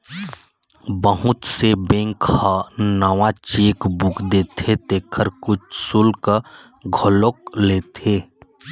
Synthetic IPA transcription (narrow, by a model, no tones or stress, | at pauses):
bəɦʊt̪sebẽŋkhanəwãt͡ʃeːkbukʰd̪eːt̪ʰet̪eːkʰəɾkʊt͡ʃʰsʊlkə | ɡʱolok̚leːt̪ʰeː